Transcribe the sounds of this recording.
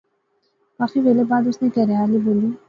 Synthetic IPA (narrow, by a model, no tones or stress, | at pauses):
ʋaːfiʋeːlebaːd̪ʊsnekɛɦɾɐjaːliboːliː